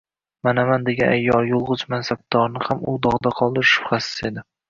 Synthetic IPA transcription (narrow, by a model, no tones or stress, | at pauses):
manamand̪e̞ɡʲanajːɒlˠjolˠʁʊzmansab̚d̪ɒɾnɪhamʊd̪ɒʁd̪aqʰɒlˠd̪ɪɾʃʊ̥χasɪ̥se̞d̪ɪ